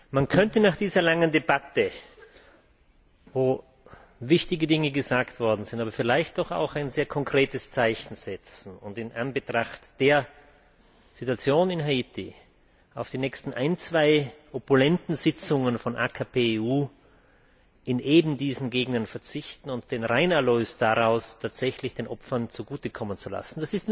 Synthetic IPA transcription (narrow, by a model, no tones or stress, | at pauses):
mankʰœntənaːχd̥iːzɐlaŋəndebatə | voː | vɪçtɪɡədɪŋəɡəzaːktv̥ɔɐdn̩z̥ɪntaːbɐfɪlaɪçt̚d̥ɔxa̰ʊxaɪnzeːɐkʰɔŋkʁ̥eːtəst͡saɪçn̩z̥ɛt͡sn̩ʊntɪnʔanbətʁ̥aχtd̥eːɐ | z̥ituat͡sjoːnɪnɦaitʰɪ | aʊfd̥iːnɛçstn̩ʔa̰ɪnt͡sv̥aɪʔɔpʊlɛntn̩zɪt͡sʊŋənfɔnʔa̰ːkʰapʰeːuː | ʔɪnʔeːbm̩diːzn̩ɡeːɡnɐnfɛɐt͡sɪçtn̩ʊnt̚d̥eːnʁaɪnaløːsd̥aʁaʊstʰaːtz̥ɛçlɪçd̥eːnʔɔpfɐnt͡suɡuːtəkʰɔmənt͡sula̰sn̩d̥asɪstn